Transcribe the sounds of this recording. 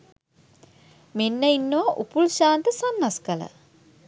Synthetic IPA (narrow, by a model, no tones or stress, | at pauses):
menːəinːoʋaʔupulʃaːnt̪əsanːaskələ̰